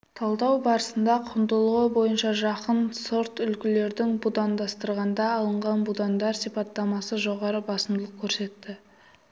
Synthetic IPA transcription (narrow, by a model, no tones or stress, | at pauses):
t̪ʰɑlˠd̪ɑwbɑɾəsənd̪ɑqʰʊnd̪əlˠʁəbo̞jənʃɑʒɑqənsoɾt̪ʏlkʲɪle̞ɾd̪ɪŋbud̪ɑnd̪ɑst̪əɾʁɑnd̪ɑːlˠəɴʁɑnbud̪ɑnd̪ɑɾsijpɑt̪ːɑmɑsəʒo̞ʁɑɾəbɑsəmd̪əlˠəq̚kʲʰɵɾse̞t̪ːɪ